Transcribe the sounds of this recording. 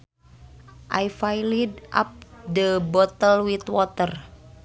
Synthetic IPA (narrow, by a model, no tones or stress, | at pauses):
ʔajfajlidʔa̰p̚dəbɔt̪əlwit̪wɔt̪ər